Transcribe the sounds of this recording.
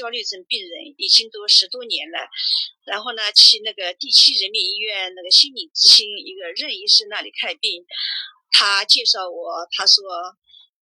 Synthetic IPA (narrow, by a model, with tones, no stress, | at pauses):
jɑ˥˧ʊly˥˧t͡sə˧˩npi˥˩ŋɻə̰˧˥ni˨˩t͡ɕi˥ŋt̪u˧˥ʂɻ̩˧˥t̪wɔ˥njɛ˧˥nla̰˧˩ɪɻa˧˥nxo˥˩ʊnə˩t͡ɕʂɻna˥˩ɡə˩t̪i˥˩t͡ɕʰi˥ɻə˧˥nmi˧˩ni˥ɥɛ˥˩nna˥˩ɡə˩ɕi˥nli˨˩t͡sɹ̩˥ɕi˥ni˧˥ɡə˧ɻə˥˧ni˥˧ʂɻ̩˥˧na˥˩lḭ˨˩k̪ʰa˥˧ɪpi˥˩ŋ | t̪ʰa˥t͡ɕjɛ˥˧ʂɑ˥˩ʊwɔ˨˩˦t̪ʰa˥ʂwɔ˥